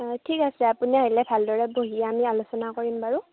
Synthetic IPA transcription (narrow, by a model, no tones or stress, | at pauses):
tʰikasɛapuniaɦilɛbʱaldɔɹɛboɦiɛamialosɔnakoɹimbaɹu